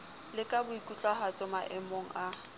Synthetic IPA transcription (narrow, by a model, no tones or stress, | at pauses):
lɪkʼabʊikʼut͡ɬʼaɦat͡sʼɔmaʔɛmoŋ̩a